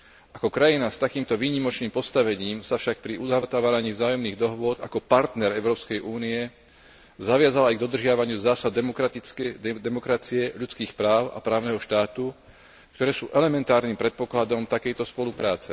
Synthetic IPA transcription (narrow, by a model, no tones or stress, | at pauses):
ʔakɔkɾajinast̪akiːmt̪ɔʋiːɲimɔt͡ʃniːmpɔst̪aʋɛɲiːmsafʃak̚pɾiud̪at̪aʋaɾaɲiːvzaːjɔmniːɣd̪ɔɦʋʊɔd̪a̰kɔpaɾt̪nɛɾɛʊɾɔːpskɛjʔuːniɛ | zaʋɪazalajɡd̪ɔd̪r̩ʒɪaʋaɲɪuzaːsad̪ | d̪ɛmɔkɾat͡siɛʎut͡skiːxpɾaːʊʔa̰pɾaːʊnɛɦɔʃt̪aːt̪u | kt̪ɔɾɛːsṵːʔɛlɛmɛnt̪aːɾnimpɾɛt̪̚pɔklad̪ɔmt̪akɛjt̪ɔspɔlupɾaːt͡sɛ